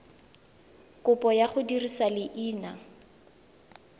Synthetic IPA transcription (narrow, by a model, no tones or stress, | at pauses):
kʊpʼɔjaχʊdirisalɪʔiːna